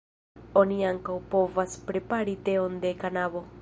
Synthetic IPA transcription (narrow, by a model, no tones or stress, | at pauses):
o̞niaŋkawpo̞vaspɾe̞paɾit̪e̞onde̞kanaβo̞